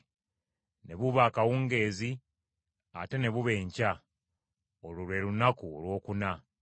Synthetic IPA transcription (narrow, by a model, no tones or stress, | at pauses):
ne̞βuβaːkawuːŋɡe̞ːzi | a̰te̞ne̞βuβe̞ːɲca | oluβe̞lunakuolwo̞ːkuna